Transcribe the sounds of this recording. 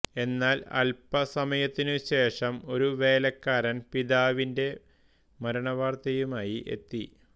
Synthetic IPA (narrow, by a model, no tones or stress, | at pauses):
e̞nːaːlɐ̰lpɐsɐmɐjɐt̪ːinɨɕe̞ːʂɐmo̞ɾuʋe̞ːlɐkːaːɾɐnpid̪aːʋinde̞ | mɐɾɐɳɐʋaːrt̪ɐjumaːjiʔe̞̰t̪ːi